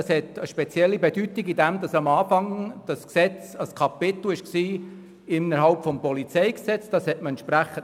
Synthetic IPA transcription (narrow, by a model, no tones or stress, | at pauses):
ɑshɛtəʃpɛt͡sjɛlːibedytiɡidæmd̥ɑsɑmɑːfɑŋd̥ɑsksɛt͡sɑskʰɑpɪt̪l̩ɪʃksiː | ɪnːəɾɦɑlpfɔmpɔlit͡sɛjksɛt͡sd̥ɑshɛt̚məɛntʃpɾæχən